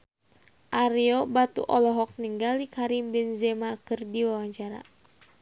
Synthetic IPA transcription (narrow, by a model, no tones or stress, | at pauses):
ʔaɾiɔbat̪ṵʔɔlɔɦɔk̚niŋɡalikaɾimbɪnzɛmakɨrdiwawaɲt͡ʃaɾa̰